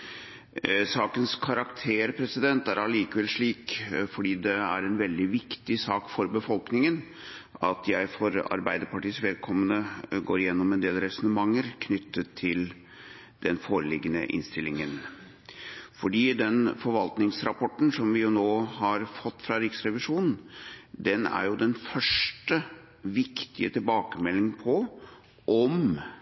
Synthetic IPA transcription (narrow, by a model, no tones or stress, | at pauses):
sɑːkənskʰɑɾɑkt̪ʰeːɾpʰɾɛsɪd̪ɛnt̪æɾɑliːkəʋɛlʂɭiːkfɔɖiːd̪ɛæɾɛnʋɛld̪ɪʋɪkt̪ɪsɑːkfɔɾbəfɔlknɪŋən | ɑt̪ʰjæɪfɔɾɑ̰ɾbæɪd̪əɾpɑʈiːsʋɛːd̪̚kʰɔmːənəɡoːɾɪjɛnːɔmɛnd̪eːlɾɛsɔnəmɑŋːəɾkʰnʏt̪ʰːət̪ʰːɪl | d̪̥ɛnfoːɾəlɪɡənə̰ʔɪ̰nst̪ɪlːɪŋən | fɔɖiːd̪ɛnfɔɾʋɑlt̪nɪŋsɾɑpʰɔʈːn̩sɔmʋɪjʊnoːhɑɾfɔt̪ːfɾɑɾɪksɾɛʋɪʂuːnn̩d̪ɛnæ̰ɾjʊd̪ɛnfœʂʈə | ʋɪkt̪ɪət̪ʰɪlbɑːkəmɛlːɪŋpʰɔ | ʔɔm